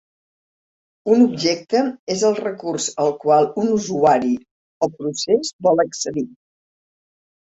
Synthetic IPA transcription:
unubʒɛk̚t̪əezəlˠrəkurzəlˠkwalˠunuzuaɾi | opɾusezbɔlˠəksəði

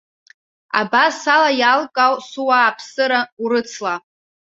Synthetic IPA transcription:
a̰basalajalkʼawsuwaːpʰsɨɾauɾɨt͡sʰla

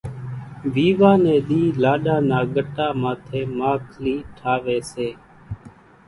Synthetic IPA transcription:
ʋiːʋaːnẽːɗ̪iːlaːɗaːnaːɠəʈaːmaːt̪ʰeːmaːkʰliːʈʰaːʋeːseː

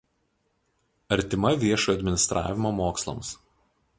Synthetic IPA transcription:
ɐɾʲt̪ʲɪmɐʋʲiɛʃoːjuɐd̪ʲmʲɪnʲɪst̪ɾʔɑ̰ːʋʲɪmoːmoːkslˠɐ̰ms

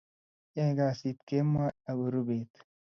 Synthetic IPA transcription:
eːɡaːsiːt̪kemːaɐwuɾubeːt̪

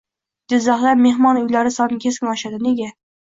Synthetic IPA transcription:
d͡ʒɪzːɑhlˠaɾmehmɒnʊjlaɾɪsɒnɪkʲʰeskʲɪnɒʃad̪ɪne̞ɡʲa

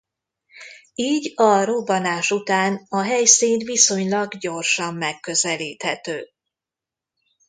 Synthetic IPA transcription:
iːɟɒɾubɒnaːʃut̪aːnɒɦɛjsiːnt̪ʋiso̞ɲlɒɡɟo̞rʃɒmːɛkːø̞zɛliːt̪hɛt̪øː

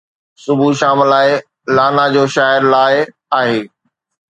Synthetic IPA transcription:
sʊbʱuʃaːmlaːɪ | laːnad͡ʑoːʃaːɪɾlaːɪ | aːɦeː

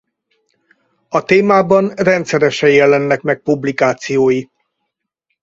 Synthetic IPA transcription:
ɒt̪eːmaːbɒnrɛnt̪sɛɾɛʃɛjjɛlɛnːɛkmɛk̚publikaːt̪sijoːji

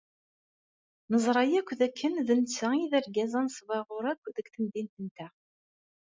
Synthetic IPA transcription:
nəzˤɾˤɑjækʷːðækʰːənðənt͡sːæiðæɾɡæzænsvɑʁʊɾækʷːðəkθənd̪int̪ənt̪æ

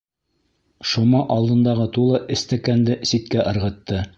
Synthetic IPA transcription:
ʃumɑʔɑlˠd̪ɤ̆nd̪ɑʁɤt̪ulˠɤʔɘ̆st̪ækænd̪ɘsit̪kæʔɤ̆ɾʁɤ̆t̪ːɤ

